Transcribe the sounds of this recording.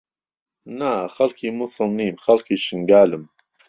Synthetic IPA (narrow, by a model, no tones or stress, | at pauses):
naxalkʰimʊsəlnimxalkiʃɪŋɡaːlɪm